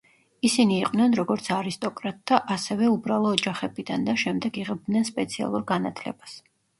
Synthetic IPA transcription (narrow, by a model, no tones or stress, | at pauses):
isiniːqʼwnɛnɾɔɡɔɾt̪sʰaɾist̪ʼɔkʼɾat̪̚ʼd̪aʔasɛvɛubɾalˠɔːd͡ʒaχɛbid̪and̪aʃɛmd̪ɛɡiʁɛb̚d̪nɛnspʼɛt̪sʰia̰lˠuɾɡanat̪ʰlɛ̰bas